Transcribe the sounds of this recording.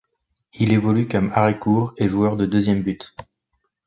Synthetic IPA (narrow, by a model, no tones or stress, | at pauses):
ilevɔlykɔmaʁekuʁeʒuœʁd̪əd̪øzjɛmbyt̪